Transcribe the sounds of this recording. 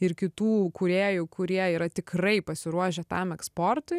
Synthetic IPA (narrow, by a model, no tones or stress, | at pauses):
ɪɾkʲɪt̪uːkʊɾʲeːjʊkʊɾʲiɛiːɾɐt̪ʲɪkrɐɪpɐsʲɪɾuɔʒʲɛt̪ɐmɛkspoːrt̪ʊɪ